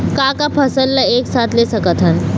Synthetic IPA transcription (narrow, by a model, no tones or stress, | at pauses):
kakapʰəsəlːəeksat̪lesəkət̪ʰən